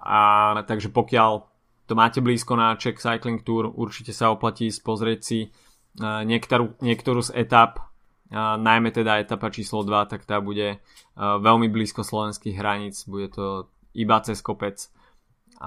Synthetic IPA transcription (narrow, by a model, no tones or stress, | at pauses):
at̪aɡʒɛpɔkɪal | t̪ɔmaːcɛbliːskɔnat͡ʃɛksajkliŋk̚t̪uːɾṵɾt͡ʃicɛsaɔplaciːspɔzɾɪɛcsi | ɲɪɛkt̪ɔɾuɲɪɛkt̪ɔɾuːzɛt̪ap | najmɛt̪ɛd̪aɛt̪apat͡ʃiːslɔd̪ʋat̪akt̪aːbuɟɛ | ʋɛlmibliːskɔslɔʋɛnskiɣɦɾaɲiːt͡sbuɟɛt̪ɔ | ibat͡sɛskɔpɛt͡s